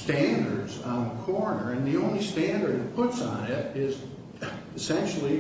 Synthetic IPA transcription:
stæ̃ndə˞dzn̩kʰɔɹnə˞ɨ̃nðiõʊ̃nlistæ̃ndə˞dðɨt̚pʰʊtsn̩ɪɾɪz | ɨsɛ̃nʃl̩ˠi

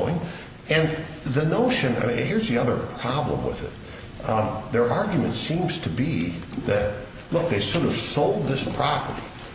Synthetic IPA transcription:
ɪ̃ŋ | ɨ̃n | ðɨnoʊʃɨ̃na̰ɪ̃hɪɹzðiʌðə̰˞pʰɹ̥ɑblə̰̃mwɪ̰ðɪ̰t̪̚ | ðə˞ʔɑɹɡjɨmɨ̰̃ntsĩmz̥tʰɨbiðɨt̚ | lʊk̚ðeɪsʊɾəv̥soʊlˠd̪̚ðɪspʰɹ̥ɑpə̰˞ɾi

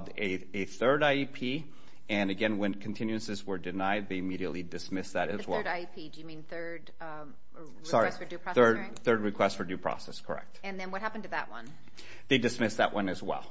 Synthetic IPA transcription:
dɨ | ɨθɜ˞ɾaɪipʰi | ɨ̃nɨɡɛ̃nwɨ̃nkʰn̩tʰɪ̃njʉɨ̃nsɨzwə˞dɨnaɪd̪̚ðeɪɨmiɾiɨʔˡlidɨsmɪsðɨɾɨzwɛ̰lˠɾaɪipʰidɨjɨmĩnθɜ˞d | ɹsɑɹistfə˞ʉɹ̥θɜ˞d | θɜ˞d̚ɹɨkʰw̥ɛstfə˞dʉpʰɹ̥ɔ̰sɛskʰə̰˞ɛ̰k̚t̚ɨ̃nðɨ̃nwʌt̚hæpn̩tɨðə̰ʔwʌ̰̃n | ðeɪdɨsmɪsðə̰ʔwʔʌ̃nɨzwɛ̰lˠ

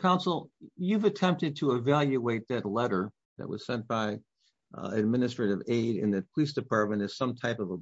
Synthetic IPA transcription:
kʰãʊ̃nsl̩ˠjʉvɨtʰɛ̃mp̚tɨd̚tʰəɪvælˠjɨeɪt̪̚ðɨtˡlɛɾə˞ | ðɨ̰ʔ̚wʌ̰z̥sɛ̃nb̥aɪ | ɨd̚mɪ̃nɨstɹ̥ɨɾɨveɪɾɨ̰̃nðɨpʰəlisd̥ɨpʰɑɹt̚mɨ̃ñɨz̥sʌ̃mtʰaɪpʌvə

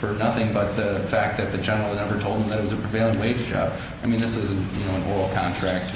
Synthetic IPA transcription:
fə˞nʌθɪ̃ŋbʌt̪̚ðɨfæk̚ðɨt̪̚ðɨd͡ʒɛnə˞l̩ˠədⁿnɛvə˞tʰoʊlˠd̪̚ə̃m̩ðɨɾɨt̚wʌzɨpʰɹ̥iveɪlˠə̃nweɪd͡ʒd͡ʒɑ̰b̥̚ | aɪmĩnðɪswʌz̃n̩jɨ̰noʊə̃nʔɔɪl̩ˠkʰɑ̃ntʰɹ̥æk̚t̚

